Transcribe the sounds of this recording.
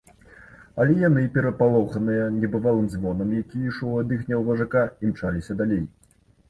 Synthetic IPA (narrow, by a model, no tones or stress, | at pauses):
ɐlʲɛjanɨpʲɛɾɐpalˠɔxɐnɨjɐnʲɛbɨvalˠɨmzvɔnɐmjakʲijiʂɔwad̪ɨxnʲɐwvɐʐakaimt͡ʂalʲisʲɐd̪alʲej